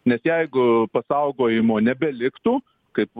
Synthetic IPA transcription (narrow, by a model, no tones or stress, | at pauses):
nʲɛsjɛɪɡʊpɐsɐʊɡoːjɪmoːnʲɛbʲɛlʲɪkt̪uː | kɐɪp